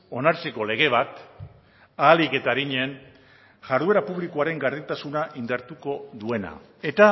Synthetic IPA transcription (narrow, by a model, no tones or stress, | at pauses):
o̞naɾt͡seko̞le̞ɣ̞e̞β̞at̪ | aːlike̞t̪aɾiɲen | ʝaɾðue̞ɾapuβlikoaɾe̞ŋɡaɾðint̪asunaʔind̪aɾt̪uko̞ðue̞na̰ | e̞t̪a